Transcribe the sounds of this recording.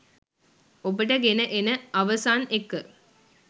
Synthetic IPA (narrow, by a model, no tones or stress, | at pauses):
obəʈəɡenəʔenəaʋəsaːnekːə